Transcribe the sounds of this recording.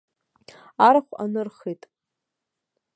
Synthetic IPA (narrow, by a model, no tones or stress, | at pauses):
aɾaχʷa̰nɨrχitʼ